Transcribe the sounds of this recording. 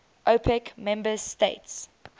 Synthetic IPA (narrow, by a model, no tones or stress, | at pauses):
ʔopʰɛkmɛ̃mbəsteɪts